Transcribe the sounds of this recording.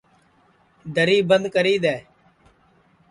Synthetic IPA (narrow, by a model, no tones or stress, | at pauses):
d̪əɾiːbənd̪kəɾiːd̪ɛː